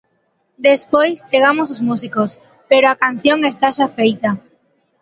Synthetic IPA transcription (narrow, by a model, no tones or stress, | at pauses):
d̪espojst͡ʃeɣ̞amos̬ozmusikos | peɾoakan̟θjoŋest̪aʃafejt̪a